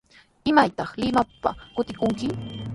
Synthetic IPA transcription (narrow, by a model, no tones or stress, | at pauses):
ɪmajt̪ɑχlɪmapa̰kʊt̪ɪkʊŋkɪ